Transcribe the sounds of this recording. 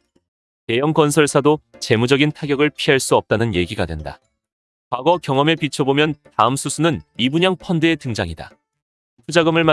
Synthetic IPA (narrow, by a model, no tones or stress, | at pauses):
te̞jʌŋkʌnsʰʌɭsʰadot͡ɕe̞mud͡ʑʌɡintʰaɡjʌɡɯɭpʰiɦaɭs͈uʌp̚t͈anɯnje̞ɡiɡadwe̞̰nda̰ | kwaɡʌkjʌŋʌme̞pit͡ɕʰʌbomjʌntaɯmsʰusʰunɯnibuɲaŋpʰʌndɯetɯŋd͡ʑaŋida̰ | tʰud͡ʑaɡɯmɯɭma